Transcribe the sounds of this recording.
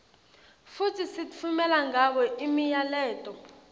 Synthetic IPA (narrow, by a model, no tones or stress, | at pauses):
futʰisit͡fʰumɛlaŋak̬ɔʔimijalɛːtʼɔ